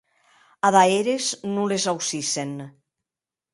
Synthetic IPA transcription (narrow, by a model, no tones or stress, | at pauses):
aðaeɾeznulezawsisen